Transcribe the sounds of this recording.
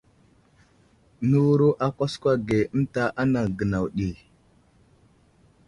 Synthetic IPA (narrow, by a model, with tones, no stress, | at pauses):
nu˦wɾu˦ʔa˦kʷa˦skʷa˦ɡe˨ə˦mta˦ʔa˦na˨ŋɡə˨na˨wɗi˨